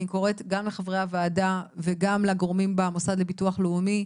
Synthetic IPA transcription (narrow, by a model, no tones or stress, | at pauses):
iko̞ʁe̞tɡamleχavʁeavaːdaveɡamleɡʁomimbemosad̪lebituaχleumi